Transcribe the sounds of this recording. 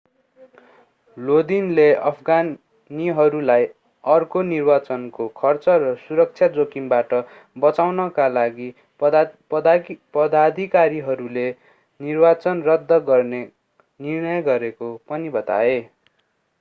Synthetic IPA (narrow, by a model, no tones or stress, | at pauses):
lod̪inleʌpʰɡa | niɦʌɾulaj | ʌrkonirbat͡sʌnkokʰʌrt͡sʌrʌsuɾʌk̚t͡sʰjad͡zokimbaʈʌ | bʌt͡sawnʌkalaɡi | pʌd̪ad̪ʱikaɾiɦʌɾule | nirbat͡sʌnrʌd̪ʱːʌɡʌrne | nirnʌjɡʌɾekopʌnibʌt̪a̰e